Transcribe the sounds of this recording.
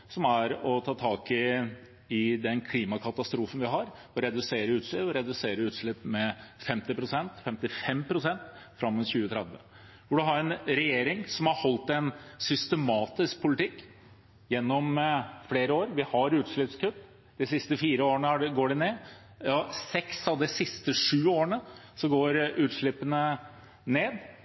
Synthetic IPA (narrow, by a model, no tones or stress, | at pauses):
sɔmæɾɔt̪ʰɑːt̪ʰɑːkɪ | ɪd̪ɛnkʰliːmɑkʰɑt̪ɑst̪ɾuːfənʋɪɦɑɾɔɾɛd̪ʉseːɾəʉːt̪ʂlɪɔɾɛd̪ʉseːɾəʉːt̪ʂɭɪpːmɛfɛmt̪ɪpɾʊsɛnt̪fɛmt̪ɪfɛmpʰɾʊsɛnt̪fɾɑmːɛnçʉːət̪ʰɾɛd̪ʋə̰ | ʋɪld̪ʉɦɑɾɛnɾɛjeːɾɪŋsɔmhɑhɔlt̪ɛnsʏst̪əmɑːt̪ɪsk̚pʰʊlɪt̪ʰɪkː | jɛnːɔmfleːɾəoːɾʋɪhɑɾʉːt̪ʂɭɪpskʉt̪ː | d̪ɪsɪst̪əfiːɾəoːəɳəæɖɡoːɖɪneː | ɔsɛksɑʋd̪ɪsɪst̪əʂʉːoːəɳəsɔɡoːɾʉːt̪ʂɭɪpːənə | neːd̪